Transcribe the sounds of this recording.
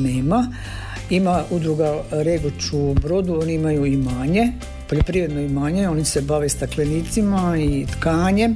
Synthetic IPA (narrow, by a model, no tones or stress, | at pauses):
nema | imaud̪ɾuɡaɾeɡot͡ʃubɾo̞d̪uoniimajuimaːɲe̞ | po̞ʎopɾiːʋɾed̪noimaːɲeo̞nise̞baʋe̞st̪akleniːt̪simait̪kaːɲe̞